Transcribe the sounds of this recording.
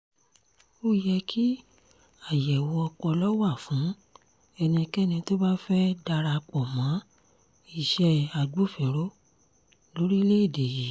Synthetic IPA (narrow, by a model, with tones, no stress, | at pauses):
o˦jɛ˧kʰi˦ | a˦˨jɛ˨wɔ˧ɔ˧k͡pɔ˧lɔ˦wa˦˨fũ˨˦ | ɛ˧nĩ˧kɛ˦˨nĩ˧to˦ba˦fɛ˦da˧ɾa˧k͡pɔ˨mã˨˦ | i˦˨ʃɛ˧a˨ɡ͡bu˦fe˨ɾo˦ | lo˨˦ɾi˦le˦i˦˨de˨ji˨˦˨